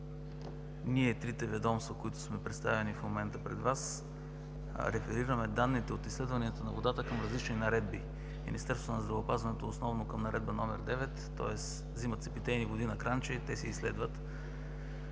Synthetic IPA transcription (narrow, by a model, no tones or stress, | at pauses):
niɛt̪ɾit̪ɛvɛd̪ɔmst̪vəkoit̪ʊ̥smɛpɾɛt̪st̪avɛnifmomɛnt̪əpɾɛd̪vas | ɾɛfɛɾiɾəmɛd̪anːit̪ɛot̪islɛd̪vɐniɛt̪onɐvod̪at̪əkəmɾɐzlit͡ʃninɐɾɛd̪̚bi | mḭnist̪ɛɾst̪vonɐzd̪ɾɐvəopazvɐnɛt̪oːsnɔvnokəmnɐɾɛd̪bənɔmɛɾd̪ɛvɛt̪ːɔ̰ɛs | zimət̪sɛpit̪ɛjnivod̪inɐkɾant͡ʃəit̪ɛsiːslɛd̪vət̪